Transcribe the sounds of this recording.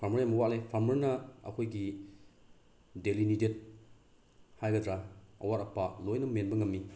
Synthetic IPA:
pʰaɾmɐɾjamɐwaʔ̚lepʰaɾmɐɾnɐɐ̰kʰojɡi | delinidet̚ | hajɡɐdɾaɐ̰waɾɐpalojnɐmenbɐŋɐmːi

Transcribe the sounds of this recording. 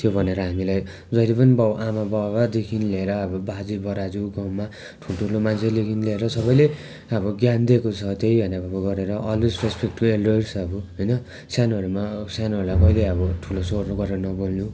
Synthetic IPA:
t̪jobʱʌneɾʌɦamilaj | d͡zʌilepʌnibawʔamabawbad̪ekʰinleeɾʌːbʌbad͡zibʌɾad͡zuɡawma | ʈʰuʈʰulomant͡sʰelekʰinileeɾʌsʌbʌjle | ʌbʌɡjand̪ekot͡sʰʌt̪ejbʱʌnabʱabaɡʌɾeɾʌʔʌlwesrespekʈkoelɖojsʌbuɦʌjnʌ | sanɦʌɾumasanʌɾulajkʌileʌbʌʈʰulosornoɡʌɾeɾʌnʌbolnu

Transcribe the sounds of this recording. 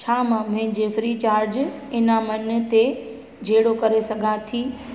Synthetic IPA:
t͡ɕʰaːmãmɪ̃ɲd͡ʑefɾiːt͡ɕaːɾd͡ʑ | ɪnamɐn̆t̪e | d͡ʑʱeːɽokɐɾesɐɡʱãt̪ʰiː

